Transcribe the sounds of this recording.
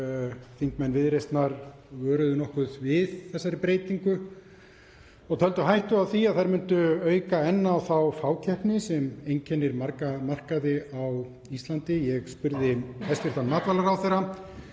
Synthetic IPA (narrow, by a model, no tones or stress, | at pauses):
θiŋkmɛjnvɪðɾejst̪naɾ | vœːɾʏðʏnɔhkʏðvɪðθɛsːaɾɪpɾeːjt̪iŋkʏ | ɔɣt̪ʰœlt̪ʏɦajht̪ʏaθiaðθajɾmʏnt̪ʏœːɥkaɛnːaːwθawfaːwcʰɛhpnɪsɛmejncʰɛnːɪɾmarkmar̥kaðɪaw | ist̪lant̪ɪjɛɣspʏɾðɪhɛst̪vɪɾt̪anmaːt̪valaɾawθejɾa